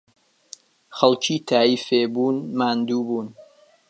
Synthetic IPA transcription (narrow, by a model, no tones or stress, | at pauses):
xɐlˠt͡ʃʰiːt̪ʰaːjiːfeːbuːnmaːnd̪uːbuːn